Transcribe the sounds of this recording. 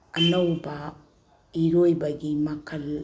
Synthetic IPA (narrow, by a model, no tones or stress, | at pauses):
ɐnɐwbɐ | iɾojbɐɡimɐkʰɐl